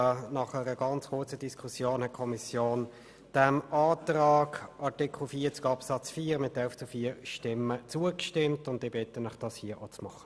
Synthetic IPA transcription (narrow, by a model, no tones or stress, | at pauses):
nɑχəʁəɡ̥ɑnt͡skʰʊt͡sədiskʰʊsjoːnɛkʰɔmisjoːn | d̥æmɑːtʁɑːɡɑtɪkʰl̩fiːɐt͡sɡɑpsɑt͡sfiːɾmɪtɛlft͡sufiːəɾʃtɪmːət͡suəkʃtɪmtʊndɪːbɪtənɪχd̥ɑshiːəʔot͡smɑχə̥